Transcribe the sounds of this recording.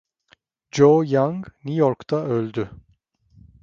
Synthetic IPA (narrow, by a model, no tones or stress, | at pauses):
d͡ʒojaŋɡnujoɾkt̪ʰaølʲd̪y